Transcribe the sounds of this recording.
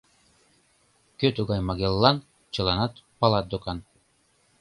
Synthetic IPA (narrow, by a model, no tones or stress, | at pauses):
køt̪uɡɑjmɑɡelˠːɑn | t͡ʃɯ̆lˠɑnɑt̪pɑlˠɑt̪̚d̪ukɑn